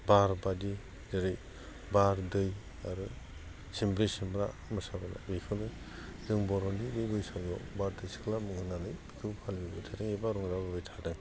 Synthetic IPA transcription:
baɾbadi | zaɾɯj | baɾdɯj | aɾɯ | simbɾisimbɾamɯsabala̰bikʰɯnɯ | dɯŋbɔɾɔnibɯjbɯjsaŋɔbaɾdɯjsi̥kʰlamɯŋhɯnanɯjbikʰɯbpʰalbijbɯjtʰadɯŋebaɾɔŋɾababɯjtʰadɯŋ

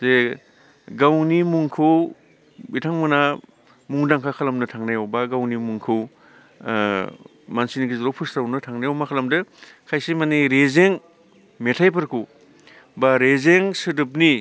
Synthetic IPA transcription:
ze | ɡawnimuŋkʰɯw | bitʰaŋmuna | muŋdaŋkʰakʰalɐmnɯtʰaŋnajawbaɡawnimuŋkʰɯw | mansinɡizɾopʰɯsɾawnɯtʰaŋnajawmakʰalɐmdɯ | kʰajsimaniɾezeŋ | metʰajp̬ʰɯɾkʰuw | baɾezeŋsɯdɯp̬̚ni

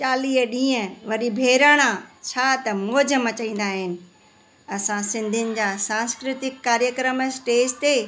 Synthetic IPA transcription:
t͡ɕaːliːɗĩːə̃ʋɐɗibʱeːɾaːɽ̃ãt͡ɕʰaːt̪ɐmɔːd͡ʑəmɐt͡ɕɐĩːn̆d̪aːɦɪnɪ̆ | ɐsãsɪ̃nd̪ʱɪnɪ̆d͡ʑaːsãːnskɾɪt̪ɪkːaːɾjəkɾəmsʈeːst̪e

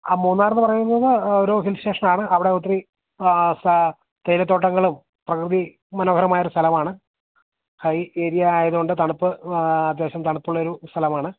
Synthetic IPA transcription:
amuːnːaːɾɐnːɨpɐrɐjunːɐðɨoɾuːɦilɕeːʂɳɐmaːɳɨʔɐʋiɽeut̪̬ːri | s | t̪ejlɐt̪ːo̞ːʈːɐŋːɐɭum | prɐkrɨði | mɐnoːɡɐɾɐmaːjɐoɾust̪ʰɐlɐmaːɳɨ | hɐjeːɾijɐaːjɐðuɣoɳɖɨt̪ɐɳupːɨɐd̪jeːɕɐmt̪ɐɳupːuɭːɐo̞ɾust̪ʰɐlɐmaːɳɨ

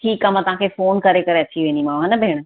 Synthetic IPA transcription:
ʈʰiːkaːmãt̪ɐʋ̤ɦãkʰefoːnkɐɾekɐɾeɐt͡ɕiʋẽːnd̪imãːɐnɐbʱeːɽ̃

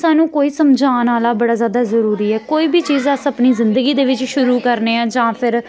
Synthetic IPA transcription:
saːnũːkoːiːsəmd͡ʒaːnaːlaːbəɽaːzjaːd̪aːzəɾuːɾiːɛːkoːiːbiːt͡ʃiːzəsəpniːzɪnd̪əɡiːd̪eːʋɪt͡ʃʃʊɾuːkəɾneːãːd͡ʒãːpʰɪɾ

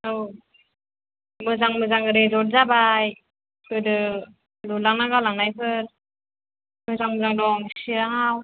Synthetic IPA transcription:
ɯw | mɯzaŋmɯzaŋɯɾezɔt̚zabaj | kɯdɯ | lulaŋnaɡawlaŋnajpʰɯɾ | mɯzaŋmɯzaŋdɔŋsiɾaɦaw

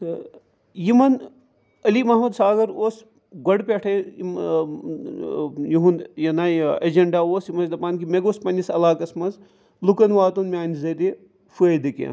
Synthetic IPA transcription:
jimɐn | ɐlimɐɦmɐd̪saːɡɐɾoːs | ɡɐɽpʲeʈʰem | jiɦunjɐnaːɐd͡ʒɐɳɖaːoːsjimɐzd̪ɐpaːnkimeɡoːspɐnʲisɐlaːkɐsmɐnz | lukɐnʋaːt̪unmʲaːnzɐɾi | fued̪ikḛː

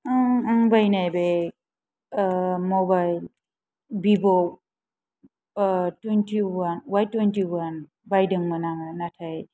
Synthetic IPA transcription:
aŋaŋbajnajbe | mɔbajl | bibɔ | twentiwanwajtwentiwan | bajdɯŋmanaŋanatʰaj

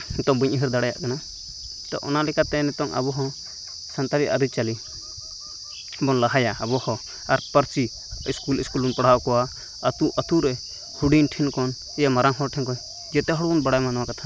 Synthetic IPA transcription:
nɛt̪ɔŋbiɲʔiɦiɾd̪aɽaja̰ʔkana | t̪ɔ̰ʔɔ̰nalɛkat̪ɛnɛt̪ɔŋa̰bɔɦɔ̃ | sant̪aɾia̰ɾit͡ʃali | bɔnlaɦajaabɔhɔ̃ | aɾpəɾt͡ʃi | iskuliskulunpaɽ̤awkɔwa | ət̪uʔət̪uɾɛ | huɖinʈʰinkɔn | ɛjamaɾaŋɦɔɾʈʰɛŋkɔ | d͡ʒɛt̪ɛɦɔɽbɔnbaɽajmanɔwakat̪ʰa

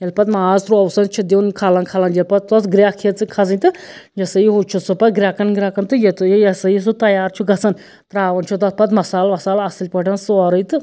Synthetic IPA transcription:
jɐlpɐt̪maːzɾuɐwsɐnt͡ʃʰid̪ʲewnkʰaːlɐnkʰaːlɐnd͡ʒɐlpɐt̪̚t̪ɐsɡɾʲjaːkʰet͡sɨkʰɐzɨnʲt̪ɨ | jɐsɐjiɦut͡ʃʰusɨpɐɡɾʲaːkɐnɡɾʲaːkɐnt̪ɨjet̪jjɐsɐjis̬ɨt̪ɐjaːɾt͡ʃʰuɡɐt͡sɐn | t̪ɾaːʋɐnt͡ʃʰut̪ɐt̪̚pɐt̪mɐsaːlmɐsaːlɐsilʲpɐʈɐnsɨɔɾɨjt̪ɨ

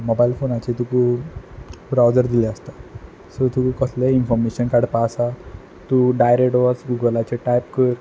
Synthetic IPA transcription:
mɔbailfonat͡ɕet̪uku | ɾawd͡zəɾd̪ileəst̪a | sət̪ukukəsleinfɔɾmeɕənkaɽpasa | t̪uɖajɾekʈʋəsɡuɡəlat͡ɕeʈajpkəɾ

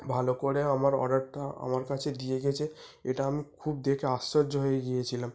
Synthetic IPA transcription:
bʱalokoɽeamaɾɔ̰ɖaɾt̪aa̰maɾkat͡ɕʰed̪ijeɡɛt͡ɕʰeeʈaamikʰub̚d̪ekʰeasːɔɾd͡ʑɦoeɡijet͡ɕʰilam

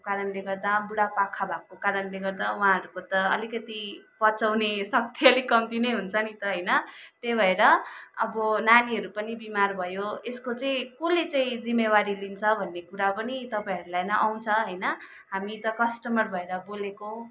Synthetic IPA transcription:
kaɾʌnleɡʌrd̪abuɽapakʰːabʱab̚kokaɾʌnleɡʌrd̪awɦãɦʌɾukot̪ʌʌ̰likʌt̪ipʌt͡sawnesʌk̚t̪iʌlikʌmt̪inʌjɦunt͡sʰʌnit̪ʌɦʌjnʌt̪ebʱʌeɾʌʌbʌnaniɦʌɾupʌnibimarbʱʌjoeskot͡saĩkulet͡saĩd͡zimːewaɾilint͡sʰʌbʱʌnːekuɾapʌnit̪ʌpaĩɦʌɾulajnʌʔawt͡sʰʌɦʌjnʌ | ɦamit̪ʌkʌsʈʌmʌrbʱʌeɾʌboleko

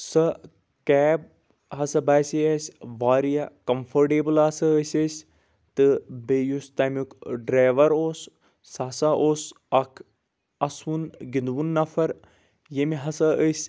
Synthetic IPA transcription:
sɐ | kɛːb̚ | ɦɐsɐbaːseɐsʲʋaːɾijakɐmfʰɐɾʈeːbɨlɐsɐəsʲəsʲ | t̪ɨbejust̪aːmʲukɖɾaːʋɐɾoːsː | aːsaʔoːs | ɐkʰ | ɐswunɡind̪wunːɐfɐɾ | jemiɦɐsɐəsʲ

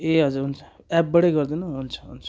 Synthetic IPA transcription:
eɦʌd͡zuɾɦunt͡sʰʌ̥ | ɛp̚bʌɽeɡʌɾd̪inʌɦunt͡sʰʌ̥ɦunt͡sʰ

